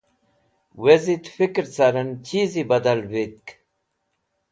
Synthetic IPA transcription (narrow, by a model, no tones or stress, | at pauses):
wezit̪fikɾt͡saɾɐnt͡ɕizibɐd̪ɐlwit̪̚k